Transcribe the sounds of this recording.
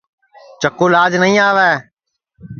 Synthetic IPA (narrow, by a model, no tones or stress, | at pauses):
t͡ʃəkoːlaːd͡ʒnəĩːaːʋɛː